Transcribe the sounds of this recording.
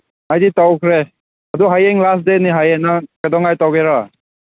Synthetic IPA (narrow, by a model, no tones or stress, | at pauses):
ajditawkʰɾe | adɔɦajeŋlas̬deniɦajenakadɔŋajtawɡeɾa